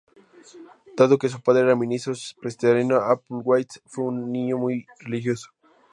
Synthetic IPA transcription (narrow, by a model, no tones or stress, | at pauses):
d̪̥aðokes̬upaðɾeeɾamĩnist̪ɾopɾest̪eɾinoapulɡwajt̪sfweunːĩɲomujrelixjoso̥